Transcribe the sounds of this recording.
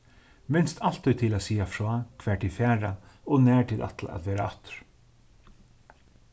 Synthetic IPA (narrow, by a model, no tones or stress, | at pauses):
mɪnst̪ʰal̥t̪ʰːœʏt̪ʰɪlaːsiːafɾoakʰʋɛːʈʰɪfæːɹaɔnæːʈʰɪlʔa̰t̪la̰ʔa̰t̪ʋɛːɾaat̪ɾ̥